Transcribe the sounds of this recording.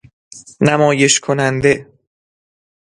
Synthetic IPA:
næmɒːje̞ʃkʰonænd̪e̞

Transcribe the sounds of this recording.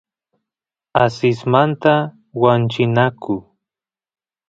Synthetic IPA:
asɪsmant̪a | want͡ʃɪnakʊ

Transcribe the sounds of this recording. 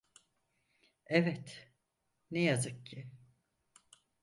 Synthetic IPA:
ɛvɛt̪ | nejazɯk̚cʰɪ

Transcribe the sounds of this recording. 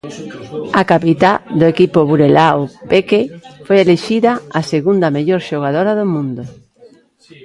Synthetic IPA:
ɐkapit̪ad̪ʊekipʊβuɾelaopekefojeleʃiðɐaseɣund̪ɐmeʎoɾʃoɣ̞aðoɾaðʊmũnd̪ʊ

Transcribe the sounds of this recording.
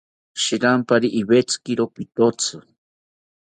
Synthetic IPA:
ʃiɾampaɾiʔːβet͡skiɾopit̪ot͡sʰɨ

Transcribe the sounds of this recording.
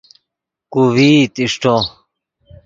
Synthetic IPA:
kuwit̪iʂʈo

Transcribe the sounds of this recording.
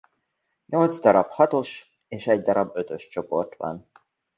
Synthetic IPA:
ɲo̞lt̪zd̪ɒɾɒphɒt̪o̞ʃ | eːʃɛɟd̪ɒɾɒbːø̞t̪ø̞ʃt͡ʃo̞po̞̰rt̪ʋɒ̰n

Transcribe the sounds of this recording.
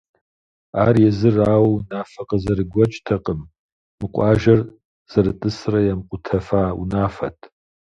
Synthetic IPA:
aːrjɛzɨraːwwnaːfɐqʼəzɐɾɨɡʷɔt͡ʃʼtʰɐqəm | mɨqʷʼɑːʒɐr | z̥ɐɾɨtʼɨsrɐjamqʷʼʊtʰɐfaːṵnaːfɐ̰tʰ

